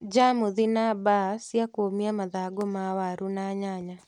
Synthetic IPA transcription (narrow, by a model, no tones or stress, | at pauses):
d͡ʒamuðɪnabasjakomiamaðaɡomawaɾunaɲaɲa